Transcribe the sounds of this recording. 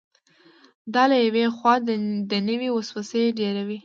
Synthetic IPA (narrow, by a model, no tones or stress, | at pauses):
d̪ɑlajawexwɑd̪d̪ənəwiwɑswasəjɖeɾawi